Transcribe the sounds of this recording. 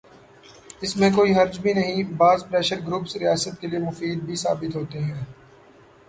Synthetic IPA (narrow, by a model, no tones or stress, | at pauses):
ɪsmẽkoːiɦɐɾd͡ʒbʱinɐɦĩbaːzpɾɛːʃəɾɡɾuːpsɾɪjaːsət̪̚keliemʊfiːd̪̚bʱisa̰ːbɪt̪ɦoːt̪eɦɛ̃ː